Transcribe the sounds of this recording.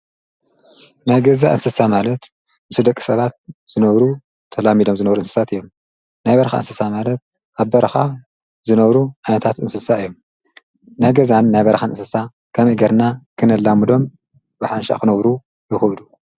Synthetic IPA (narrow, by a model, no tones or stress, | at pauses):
najɡɐzaʔɨ̰nsɨsamalɐt̪ | mɨsɨd̪ɐkʼːi̥sɐβat̪̚z̥ɨnɐβɾu | t̪ʰɐlamido̞mzɨnɐβɾuɨnsɨ̥sat̪ɨjːo̞m | najbɐɾxa̰ɨ̰nsɨsamalɐt̪̚ | ʔaβbɐɾxa | zɨnɐβɾuʕijnɐt̪ʰat̪ɨnsɨsaɨjːo̞m | najɡɐzanːajbɐɾxanɨnsɨsa | kʰɐmiɡɐɾnakʰɨnɐlːamɨd̪o̞m | bɨħanʃa̰kɨnɐβɾu | jɪxɐwd̪u